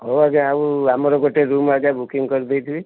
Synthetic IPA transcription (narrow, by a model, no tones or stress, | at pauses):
ɦoaɡeauamɔɾɔɡoʈeɾumaɡabukiŋkɔɾid̪ejt̪ʰibi